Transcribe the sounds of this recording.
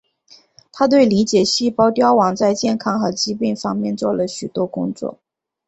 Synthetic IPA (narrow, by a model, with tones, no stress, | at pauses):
t̪ʰa˥t̪we˥˩ɪli˧˥t͡ɕjɛ˨˩ɕi˥˩pɑ˥ʊt̪jɑ˥ʊwɑ˨˩ŋt͡sa˥˧ɪt͡ɕjɛ˥˩nkʰɑ˥ŋxɤ˧˥t͡ɕi˥pi˥˩ŋfɑ˥ŋmjɛ˥˧nt͡swɔ˥˩lə˩ɕy˨˩t̪wɔ˥kʊ̰˥ŋt͡swɔ̰˥˩